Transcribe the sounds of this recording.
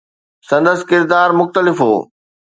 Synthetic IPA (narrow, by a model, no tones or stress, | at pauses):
sɐ̃nd̪əsɪ̥̆kɪɾd̪aːɾmʊxt̪əlɪfɦo̰ː